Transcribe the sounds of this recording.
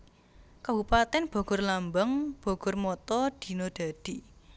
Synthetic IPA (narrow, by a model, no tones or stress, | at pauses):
kabupat̪ɛnb̥ɔ̤ɡ̥ʊ̤rlambəŋb̥ɔ̤ɡ̥ʊ̤rmɔt̪ɔd̪̥i̤nɔd̪̥a̤d̪̥i